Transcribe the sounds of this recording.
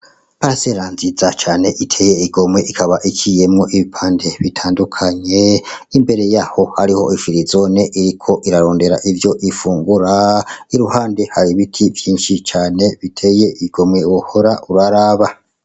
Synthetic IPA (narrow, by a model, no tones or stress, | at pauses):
paɾaseɾaːnzizat͡ʃaːne̞ʔitʰe̞je̞iɡo̞mwe̞ʔikʰaβaʔikʰije̞mŋo̞ʔiβipʰaːnde̞βitʰaːndukʰaɲe̞imbe̞ɾe̞jaho̞haɾiho̞̰ʔifiɾizo̞neʔiɾikʰo̞ʔiɾaɾo̞ːnde̞ɾa̰ʔivjo̞ʔifuːŋɡuɾaiɾuhaːndehaɾiβitʰivjiːnʃit͡ʃaːne̞βitʰe̞je̞iɡ̥o̞mwe̞woho̞ɾaʔuɾaɾaːβa